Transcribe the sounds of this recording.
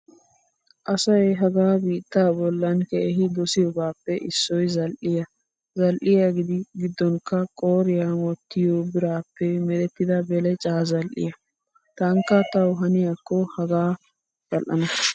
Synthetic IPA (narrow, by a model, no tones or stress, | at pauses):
ʔɐsɐjɦɐɡaːbiːt̪ːaːbɔlːɐnkɛʔɛɦɪd̪ɔsɪjɔbaːpːɛʔɪsːɔjzɐlʔɪjɐ | zɐlʔɪjaɡɪd̪ɪɡɪd̪ːɔŋkɐkʼoːɾɪjanwɔt̪ːɪjoːbɪɾaːpːɛmɛd̪ɛt̪ːɪd̪ɐbɛlɛt͡ʃʼaːzɐlʔɪ̰jɐ | t̪ɐŋkːɐt̪ɐwɦɐnɪjɐkːɔhɐɡaː | z̥ɐlʔɐ̰nɐ